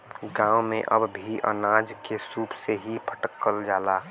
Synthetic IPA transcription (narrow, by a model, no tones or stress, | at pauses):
ɡãːwmẽʔə̰bbʱiʔə̰naːd͡ʒkesuːpseɦipʰə̥ʈəkːəld͡ʒaːlaː